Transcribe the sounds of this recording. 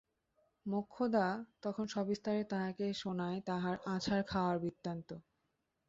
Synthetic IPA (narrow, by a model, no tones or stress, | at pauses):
mokʰːod̪at̪ɔkʰonʃɔbist̪aɾet̪aɦakeʃonaet̪aɦaɾat͡ɕʰaɾkʰaoaɾbit̪ːɾant̪o